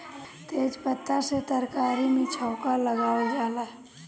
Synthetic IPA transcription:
t̪eːd͡ʒpət̪ːaset̪əɾkaːɾimẽt͡ʃʰəʊkaləɡaːwed͡ʒaːla

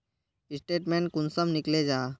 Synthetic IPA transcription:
ɪsʈeːʈmẽːɳʈkʊnsəmnɪkled͡ʒaː

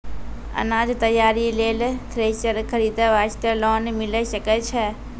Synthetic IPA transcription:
ə̰naːd͡ʒt̪əjaːɾileːlt̪ʰɾeːt͡ʃəɾkʰəɾiːd̪əʋaːʃt̪əlɔːnmɪleʃəkɛt͡ʃʰɛ

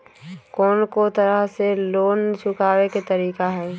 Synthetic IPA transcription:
kɔːnkot̪əɾəɦseloːnt͡ʃʰʊkaːweket̪əɾiːkaɦɛː

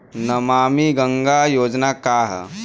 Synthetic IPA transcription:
nəmaːmiɡəŋɡajoːd͡ʒnakaːɦ

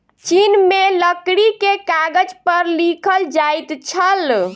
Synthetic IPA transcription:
t͡ʃinmeləkɽikekaɡəd͡ʒpəɾlikʰəld͡ʒajt̪t͡ʃʰəl

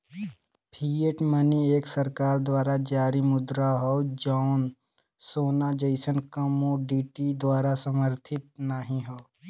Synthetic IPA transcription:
pʰiːeʈmənieːksɐɾkaːɾd̪waːɾad͡ʒaːɾimʊd̪ɾaɦoːd͡ʒɔːn | soːnad͡ʒeɪsənkɐmoɖiːʈid̪waːɾasəməɾt̪ʰɪt̪̚naɦĩɦoː

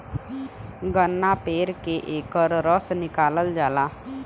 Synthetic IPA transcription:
ɡənːapeːɾkeʔeːkəɾɾəsnɪkaːləld͡ʒaːlaː

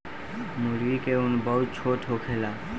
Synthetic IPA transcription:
muɾɡikeunbəɦut̪̚t͡ʃʰoʈɦokʰela

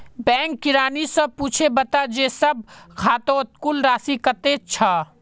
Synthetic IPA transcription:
bɛ̃ːŋkːɪɾaːnisɐb̚puːt͡ʃʰebɐt̪ad͡ʒeːsəb̚kʰaːt̪õt̪kuːlɾaːsikət̪et͡ʃʰaː

